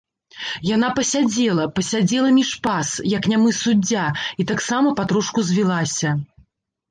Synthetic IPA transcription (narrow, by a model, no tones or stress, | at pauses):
janapɐsʲad͡zʲɛlˠɐpɐsʲad͡zʲɛlˠɐmʲiʂpasjɐknʲamɨsud͡zʲːait̪aksamɐpat̪ɾuʂkuzʲvʲilˠasʲɐ